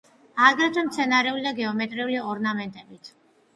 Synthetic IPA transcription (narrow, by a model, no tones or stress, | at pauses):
aɡɾɛt̪ʰwɛmt̪sʰɛnaɾɛulid̪aɡɛɔmɛt̪ʼɾɛuliɔɾnamɛnt̪ʼɛbit̪ʰ